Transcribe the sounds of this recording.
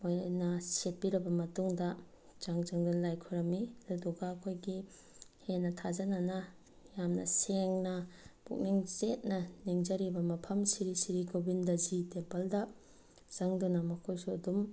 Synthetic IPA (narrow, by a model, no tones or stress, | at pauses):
mojnɐset̚piɾɐbɐmɐtuŋdɐ | z̥aŋzaŋdunlajkʰuɾɐmiɐduduɡaːkʰojɡi | henːɐtʰazɐnanɐ | jamnɐ̰seŋnɐb̥ṵk̚niŋzet̚nɐniŋd͡ʒɐɾibɐmɐpʰɐmsiɾisiɾikobindɐzitempɐldɐ | z̥aŋdunɐmɐkʰojsuɐdum